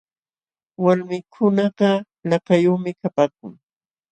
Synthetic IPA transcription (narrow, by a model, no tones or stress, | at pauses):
waɾmɪkʰʊnɑɢɑ | lɑkajoχmɪkapaːk̚ʊ̰ŋ